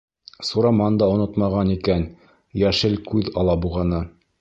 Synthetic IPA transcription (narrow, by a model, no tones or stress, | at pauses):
suɾɑmɑnd̪ɑŏnot̪mɑʁɑnikæn | jæʃɘlkʉðɑlˠɑbuʁɑnɤ